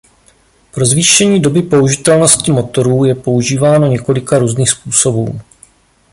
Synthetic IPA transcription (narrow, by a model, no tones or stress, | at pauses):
pɾo̞zviːʃɛɲiːdo̞bɪpo̞uʒɪt̪ɛlno̞scɪmo̞t̪o̞ɾuːjɛpo̞uʒiːvaːno̞ɲɛko̞lɪkaɾuːzniːxspuːso̞bṵː